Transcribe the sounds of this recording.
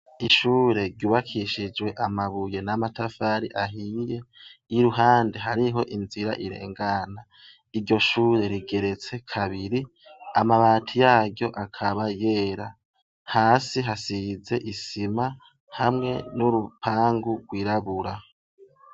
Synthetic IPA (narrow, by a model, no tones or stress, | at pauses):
iʃuːɾe̞ɾɟuβakʰiʃid͡ʒwe̞ʔamaβuje̞namatafaɾḭʔaɦijeiɾuɦaːnde̞ɦaɾiɦo̞ʔinziɾa̰ʔiɾe̞̰ːŋɡana | iɾɟo̞ʃuːɾe̞ɾiɡe̞ɾe̞t͡se̞kʰaβiɾi | amaβaːtʰijaːɟjo̞ʔakʰaβaje̞ːɾa | haːsiɦasize̞ʔisima | hamŋe̞nuɾupʰaːŋɡuɡwiːɾaβuɾa